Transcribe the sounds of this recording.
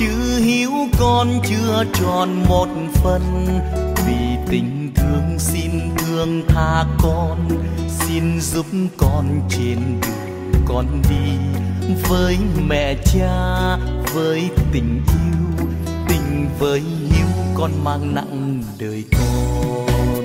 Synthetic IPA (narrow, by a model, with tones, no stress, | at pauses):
t͡ɕɨ̰˧˥hi˨˦əwkɔ˧nt͡ɕɨ˧ət͡ɕɔ˧˩nmo˨˩t̚fə˧n | vi˨˩t̪ï˨˩ŋ̟t̪ʰɨ˨˦əŋsi˧nt̪ʰɨ˧əŋt̪ʰaː˧˩kɔ˧nsi˧nzu˨˦˥p̚mkɔ˧nt͡ɕe˧˩nɗɨ˨˩ə | kɔ˧˩nɗi˧ | vəː˨˦jmɛ̰˧˨t͡ɕaː˧vəː˨˦jt̪ï˨˩ŋ̟ʔi˧w | t̪ï˨˩ŋ̟vəː˨˦jhi˨˦əwkɔ˧nmaː˧ŋna̰˧˨ŋ | ɗəː˨˩jkɔ˧